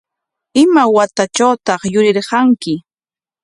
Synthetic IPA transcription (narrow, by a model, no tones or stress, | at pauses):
ɪmawat̪at͡ʃawt̪ɑχjʊɾɪɾɢɑŋkɪ